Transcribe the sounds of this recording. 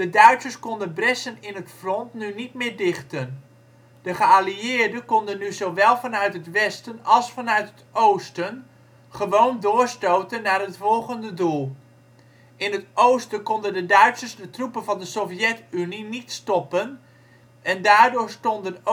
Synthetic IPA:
dədœɥtsəɹskɔndəbrɛsənɪnɦətfrɔntnynitmɪːɹdɪχtən | d̥əχəaliɪːɹdəkɔndənːyzowʋɛlˠvɑnœɥtɦətʋɛstənɑlˠsfɑnœɥtɦətowstən | χəʋowndʊːɹstowtənːaːɹɦətfɔlˠχəndədulˠ | ɪnɦətowstəkɔndəndədœɥtsəɹzdətrupənvɑndəsɔfjɛtyninitstɔpən | ɛndaːɹdʊːɹstɔndən

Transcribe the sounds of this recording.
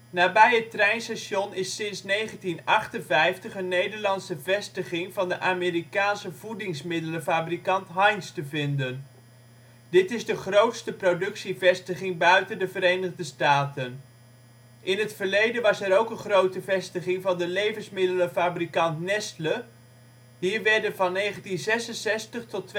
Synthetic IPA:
naːbɛjɦətrɛjnsɛʃɔnɪsɪnsnejχəntinɑχtənvɛjftəχənːejdəɹlɑnsəvɛstəχɪŋvɑndəʔaːmiːrikaːnsəvudɪŋsmɪdələfaːbrikɑntɦɑjnstəvɪndən | dɪtɪzdəχrowtstəprodɵksivɛstəχɪŋbœɥtəndəvəɾejnəʁdəstaːtən | ʔɪnɦətfəɹlejdənʋɑsɛɾowkənχrowtəvɛstəχɪŋvɑndəlejvənsmɪdələfaːbrikɑntnɛstlə | ɦiːɹʋɛɹdənvɑnːejχəntinzɛsənsɛstəχtɔt

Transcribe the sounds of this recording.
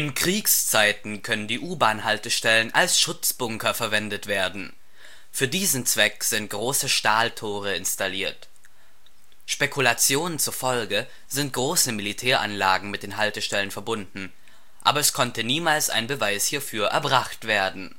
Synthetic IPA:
ʔɪnkʁ̥iːkst͡saɪtn̩kʰœnəndiːʔuːbaːnhaltəʃtɛlənʔa̰lsʃʊt͡sb̥ʊŋkɐfɛɐvɛndətv̥eːɐdn̩ | fyːɐdiːzn̩t͡sv̥ɛkz̥ɪnt̚ɡ̥ʁoːsəʃtaːltʰoːʁ̞əɪnstaliːɐt | ʃpɛkʰulat͡sjoːnənt͡sufɔlɡə | zɪnt̚ɡ̥ʁoːsəmilitʰɛːɐʔa̰nlaːɡŋ̩mɪt̚d̥eːnɦaltəʃtɛlənfɛɐbʊndn̩ | ʔa̰ːbɐɛskʰɔntəniːmaːlsʔa̰ɪnbəvaɪshiːɐfyːɐʔɛ̰ɐbʁaχtv̥eːɐdn̩

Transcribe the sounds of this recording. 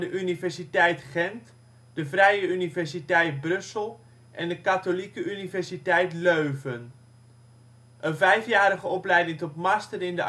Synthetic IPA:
dəʔynivɛɹsitɛjtχɛnt | d̥əvrɛjəynivɛɹsitɛjt̚brɵsəlˠ | ʔɛndəkatolikəʔynivɛɹsitɛjtløɥvən | ʔənvɛjfjaːɾəχəɔplɛjdɪŋtɔtmɑstəɾɪndə

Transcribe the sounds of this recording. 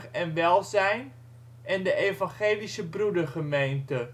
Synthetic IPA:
ɛnʋɛlˠzɛjn | ɛndəʔejvɑnχeːlisəbrudəɹχəmejntə

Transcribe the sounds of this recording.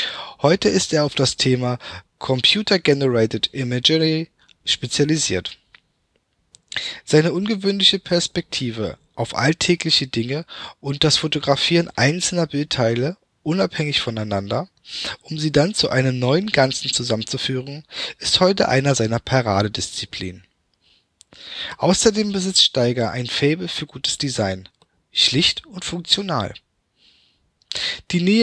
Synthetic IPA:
hɔʏtəɪsteːɐaʊfd̥astʰeːmakʰɔmpʰj̥uːtʰɐɡɛnəʁɛɪtətɪmɛd͡ʒəʁi | ʃpet͡sjaliziːɐt | z̥aɪnəʔʊnɡəvøːnlɪçəpʰɛɐspɛk̚tʰiːvə | ʔaʊfʔa̰ltʰɛːklɪçədɪŋəʔʊnt̚d̥asfotoɡʁafiːʁənʔa̰ɪnt͡sl̩nɐbɪltʰaɪlə | ʔʊnaphɛŋɪçfɔnaɪnandɐ | ʔʊmziːdant͡suʔaɪnəmnɔʏənɡant͡sn̩t͡suzamənt͡sufyːʁ̞ənʔɪsthɔʏtə̰ʔa̰ɪnɐzaɪnɐpʰaʁaːdədɪst͡sipʰl̥ḭːn | ʔaʊsɐdeːmbəzɪt͡stʃtaɪɡɐʔa̰ɪnfɛːbl̩fyːɐɡuːtə̥sd̥izaɪn | ʃlɪçtʊntfʊŋk̚t͡sjonaːl | d̥iːneː

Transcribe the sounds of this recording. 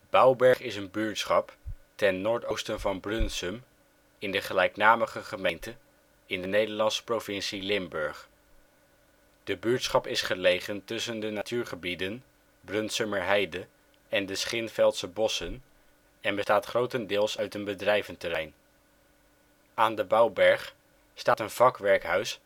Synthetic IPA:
b̥ɑwbɛɹχɪsənbyːɹtsχɑptɛnːoːɹtowstənvɑnbrɵnsəm | ɪndəχəlɛjknaːməχəχəmejntə | ɪndənejdəɹlɑnsə̥provɪnsilɪmbɵɹχ | d̥əbyɹtsχɑpɪsχəlejχəntɵsəndənatyːɹχəbidən | brɵnsəməɹɦɛjdə | ɛndəsχɪnfɛlˠtsəbɔsən | ɛnbəstaːtχrowtəndɪːlˠsœɥtənbədrɛjvəntərɛjn | aːndəbɑwbɛɹχ | staːtənv̥ɑkʋɛɹkɦœɥs

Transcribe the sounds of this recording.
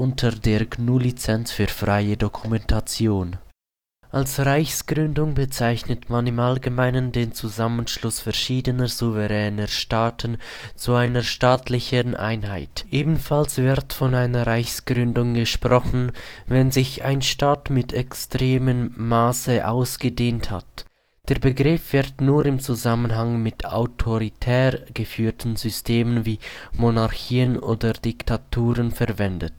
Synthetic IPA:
ʔʊntʰədeːɐɡnuːlit͡sɛnt͡sfyːɐfʁaɪədokʰumɛntʰat͡sjoːn | ʔalsʁaɪçsɡ̥ʁʏndʊŋbət͡saɪçnətmanɪmalɡəmaɪnəndeːnt͡suzamənʃlʊsfɛɐʃiːdənəzuvəʁɛːnəʃtaːtʰənt͡suaɪnəʃtaːtʰlɪçənʔa̰ɪnɦaɪtʔeːbn̩falsv̥ɪʁtfɔnaɪnɐʁaɪçsɡ̥ʁʏndʊŋɡəʃpʁ̥ɔxn̩vɛnzɪçaɪnʃtaːtmɪtʰɛkstʁ̥eːmənmaːsəʔaʊsɡ̥ədeːntha̰t | d̥eːɐbəɡʁɪfv̥ɪʁtnuːʁɪmt͡suzamənɦaŋmɪta̰ʊtʰoʁitʰɛːʁɡ̥əfyːtn̩zʏstʰeːmənviːmonaʁçiːənʔoːdəd̥ɪktʰatʰuːʁənfɛɐvɛndət

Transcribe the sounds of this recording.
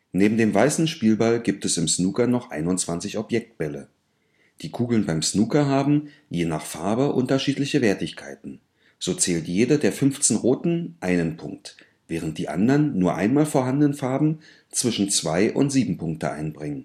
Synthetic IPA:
neːbm̩deːmvaɪsn̩ʃpiːlbalɡiːp̚tɛsɪmsnuːkɐnɔχʔa̰ɪnʊnt͡sv̥ant͡sɪçɔpjɛk̚t̚b̥ɛlə̰ | d̥iːkʰuːɡl̩nbaɪmsnuːkɐɦaːbm̩ | jeːna̰ːχfaɐbəʔʊ̰ntɐʃiːtlɪçəveːɐtɪçkʰaɪtn̩ | z̥oːt͡sɛːltjeːdədeːɐfʏnft͡snʁoːtn̩ʔaɪnənpʰʊ̰ŋk̚t | v̥ɛːʁ̞ənt̚d̥iːʔa̰ndɐnːuːɐʔaɪnmaːlfoːɐɦandənənfaɐbm̩ | t͡sv̥ɪʃn̩t͡sv̥aɪʔʊ̰ntz̥iːbm̩pʊŋk̚təʔa̰ɪnbʁɪŋən

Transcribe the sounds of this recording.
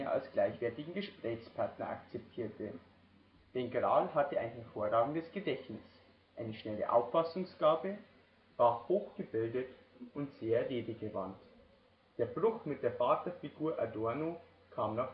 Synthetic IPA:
ɐʔa̰lsɡ̥laɪçv̥ɛɐtɪɡŋ̩ɡəʃpʁ̥ɛːçspʰaɐtnɐ̰ʔa̰kt͡sɛp̚tʰiːɐtʰə | d̥eːnɡʁa̰ːlɦatəa̰ɪnɦɛɐfoːɐʁaːɡŋ̩dəsɡ̥ədɛçnɪs | ʔaɪnəʃnɛlə̰ʔa̰ʊfːasʊŋsɡ̥aːbə | vaːhoːxɡ̥əbɪldət | ʔʊntz̥eːɐɛleːdəɡəvant | d̥eːɐbʁʊxmɪt̚d̥eːɐfaːtɐfiɡuːɐʔa̰dɔɐno | kʰaːmnaχ

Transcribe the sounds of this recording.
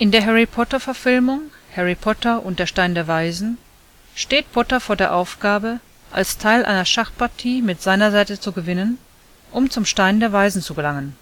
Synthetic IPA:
ʔɪndeːɐɦɛʁipʰɔtɐfɛɐfɪlmʊŋhɛʁipʰɔtɐʔʊnt̚d̥eːɐʃtaɪndeːɐvaɪzn̩ | ʃteːt̚b̥ɔtɐfoːɐdeːɐʔaʊfɡ̥aːbə | ʔa̰lstʰaɪlʔa̰ɪnɐʃaχpaɐtʰiːmɪtz̥aɪnɐzaɪtət͡suɡəvɪnən | ʔʊmt͡sʊmʃtaɪndeːɐvaɪzn̩t͡suɡəlaŋən

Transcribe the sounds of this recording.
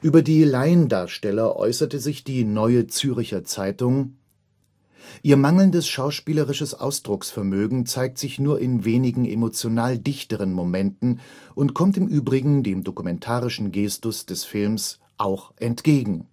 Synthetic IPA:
ʔyːbɐdiːlaɪəndaːɐʃtɛlɐʔɔ̰ʏsɐtəzɪçd̥iːnɔʏət͡syːʁɪçɐt͡saɪtʊŋ | ʔiːɐmaŋl̩ndəsʃaʊʃpiːləʁɪʃəsʔa̰ʊsd̥ʁʊksfɛɐmøːɡŋ̩t͡saɪk̚tz̥ɪçnuːɐʔɪnveːnɪɡŋ̩ʔḛmot͡sjonaːldɪçtəʁ̞ənmomɛntn̩ʔʊntkʰɔmtɪmʔyːbʁɪɡŋ̩deːmdokumɛntʰaːʁɪʃn̩ɡeːstʊsd̥ɛsfɪlms | ʔaʊxʔɛntɡ̥eːɡŋ̩

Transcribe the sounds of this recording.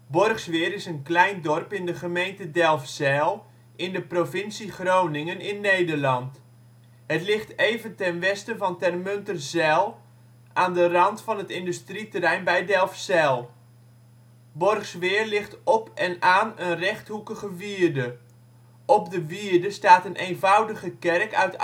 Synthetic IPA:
bɔrχsʋɪːɾɪsənklɛjndɔrpɪndəχəmejntədɛlˠfsɛlˠ | ʔɪndəprofɪnsiχrownɪŋənɪnːejdərlɑnt | ɦətlɪχtejvəntɛnʋɛstəvɑntɛrmøntərzɛlˠ | aːndərɑntfɑnətɪndystritərɛjnbɛjdɛlˠfsɛlˠ | bɔrχsʋɪːərlɪχtɔpɛnaːnənrɛχthukəɣəʋiːərdə | ɔp̚dəʋiːrdəstaːtənʔeːnvʌwdəɣəkɛrkœ̰ɥt

